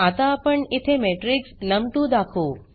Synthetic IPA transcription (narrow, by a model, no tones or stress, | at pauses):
at̪apəɳɪt̪ʰemeːʈɾɪksnɐmt̪ũd̪aːkʰoː